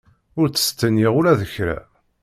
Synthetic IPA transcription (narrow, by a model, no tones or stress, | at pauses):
ʊɾt͡sːə̥st̪ːənːiʁʊɾæðəçɾæ̰